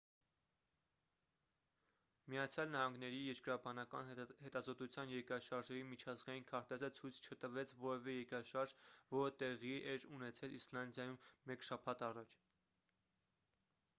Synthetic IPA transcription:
miɑt͡sʰjɑlnɑɦɑŋɡn̪ɛɾijɛɾkəɾɑbɑnɑkɑnhɛt̪ɑzɔt̪ut͡sʰjɑnjɛɾkɾɑʃɑɾʒɛɾimit͡ʃʰɑzɡɑjinkʰɑɾt̪ɛzət͡sʰujt͡sʰt͡ʃʰət̪əvɛt͡sʰvɔɾɛvɛjɛɾkɾɑʃɑɾʒvɔɾət̪ɛʁiʔɛɾunɛt͡sʰɛlislɑnd̪jɑjumːɛkʃɑpʰɑt̪ɑrɑt͡ʃʰ

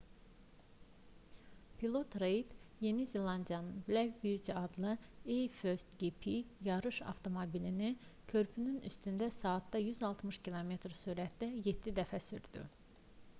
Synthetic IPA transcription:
pʰilˠo̞t̪ɾejt̪je̞nizelɑnd̪ijɑnɯnblæɡbyt̪ɑd̪lˠɯejføɾst̪ɡipʰijɑɾɯʃɑ̰ft̪ʰo̞mobilinicʰø̞ɾpʰynyny̰st̪ynd̪æsɑːt̪d̪ɑjyzɑlˠt̪mɯʃcʰilˠo̞me̞t̪ɾsuɾæt̪d̪æje̞d̪ːid̪æfæsyɾd̪̥y̰

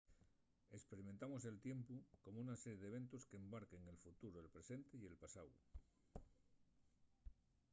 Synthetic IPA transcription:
e̞kspe̞ɾiment̪amo̞se̞lt̪je̞mpuko̞mounaseɾjeðeβ̞ẽ̞nt̪oske̞ːmbaɾke̞ŋe̞lfut̪uɾoelpɾe̞se̞nt̪eie̞lpasaw

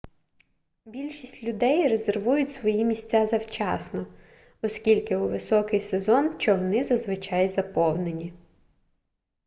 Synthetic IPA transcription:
bʲilʲʃisʲtʲlʲʊd̪ɛjɾeze̞rʋujʊtʲsʋɔjimʲisʲt͡sʲazɐwt͡ʃɑsnɔ | ɔsʲkʲilʲkɪuʋɪsɔkɪjsezɔnt͡ʃɔʋɔnɪzɐzʋɪt͡ʃɑjzɐpɔwnenʲi

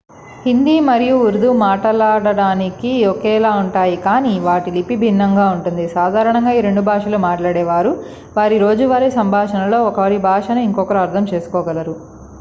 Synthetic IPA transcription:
hind̪iːmɐɾijuuɾd̪umaːʈɐlaːɽɐɽaːnikiɔkɛːlaːuɳʈaːjikaːniʋaːʈilipːibʱinːɐŋɡaːuɳʈund̪isaːd̪ʱaːɾɐɳɐŋɡaːiɾe̞ɳɖubʱaːʂɐlumaːʈlaːɽɛːʋaːɾu | ʋaːɾiɾo̞ːd͡ʒuʋaːɾisɐmbʱaːʂɐnɐlo̞ːɔkɐʋɐɾibʱaːʂɐnɐiŋkɔkːɐɾuɐɾt̪ʰɐmt͡ʃe̞ːsu̥kɔːɡɐlɐɾu

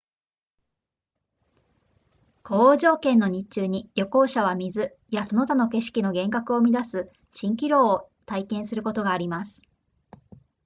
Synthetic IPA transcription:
ko̞ːʑo̞ːkẽ̞nːo̞ɲ̟it͡ɕɨːɲ̟ijo̞ko̞ːɕaβ̞amʲizɨ | jaso̞no̞t̪ano̞ke̞ɕi̥kʲino̞ɡẽ̞ŋkakɯ̟o̞mʲid̪asɨ | ɕĩŋkʲiɾo̞ː | t̪aikẽ̞ɰ̃sɨɾɯ̟ko̞t̪o̞ɡaːɾʲimasɨ̥

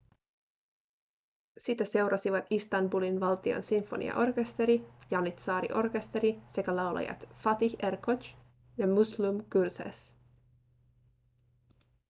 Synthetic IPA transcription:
sit̪æse̞wɾʔɑsiʋɑt̪ist̪ɑmbulinʋɑlt̪io̰nsiɱfo̞̰nḭɑ̰ʔo̞rke̞st̪e̞ɾijɑnit̪sɑːɾḭʔo̞rke̞st̪e̞ɾise̞kælɑwlɑ̰jɑ̰t̪fɑt̪içerkot͡ʃ | jɑmuslumkyrsḛs

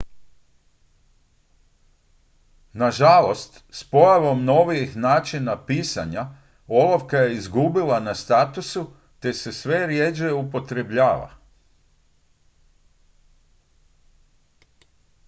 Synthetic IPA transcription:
naʒalo̞st̪ | spo̞jaʋo̞mno̞ʋijixnaːt͡ʃinapiːsa̰ɲa | o̞lˠoʋkaje̞izɡubilˠanast̪at̪usu | t̪e̞se̞sʋe̞ɾjed͡ʒeupo̞t̪ɾe̞bʎaːʋa̰

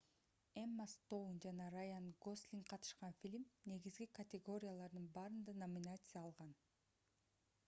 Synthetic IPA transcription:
emːast̪ownd͡ʒɑnɑɾajanɡoslʲiŋqʰɑt̪ɯ̥ʃqɑnfʲilʲmne̞ɡizɡikɐt̪ʲɪɡo̞ɾʲɪjalˠɑɾd̪ɯnbɑːɾɯnd̪ɑnɐmʲɪnat̪sɨjaːlˠʁɑn

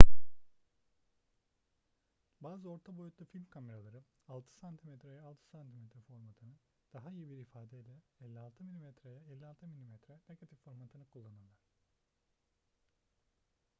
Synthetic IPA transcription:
baːzɯo̞ɾt̪ʰabo̞jut̪lˠufilʲmkʰame̞ɾalˠaɾɯ | alˠt̪ʰɯ̥sant̪ʰimɛt̪ɾɛjɛalˠt̪ʰɯ̥sant̪ʰimɛt̪ɾɛfo̞ɾmat̪ʰɯnɯ | d̪̥aɦaijibiɾifaːd̪ɛilʲɛɛlʲːialˠt̪ʰɯmilʲimɛt̪ɾɛjɛɛlʲːialˠt̪ʰɯmilʲimɛt̪ɾɛneɡat̪ʰifːo̞ɾmat̪ʰɯnɯkʰulˠːanalˠaɾ̥

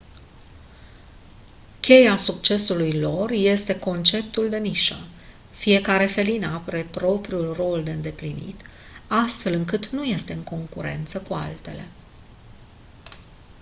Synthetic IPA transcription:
kʲe̞jasuk̚t͡ʃe̞sulujlo̞rje̞st̪e̞ko̞nt͡ʃe̞pt̪uld̪e̞niʃə | fije̞kaɾe̞fe̞linapɾe̞pɾo̞pɾiulro̞ld̪e̞ɨnd̪e̞plinḭt̪ | ast̪fe̞lɨŋkɨt̪nuje̞st̪e̞ɨŋko̞ŋkuɾe̞̰nt̪səkua̰lt̪e̞le̞̰

